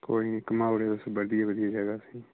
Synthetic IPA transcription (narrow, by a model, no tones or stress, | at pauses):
koːiːkəmaːɽeəsbəd̪ijaʋəd̪ijaːd͡ʒəɡaːsiː